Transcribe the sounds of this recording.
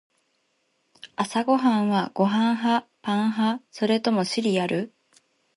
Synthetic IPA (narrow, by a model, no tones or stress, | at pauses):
asaɡo̞ɦãɰ̃βaɡ̥o̞ɦãɰ̃ɦapãɰ̃ɦaso̞ɾe̞t̪o̞mo̞ɕiɾʲiaɾɯ̟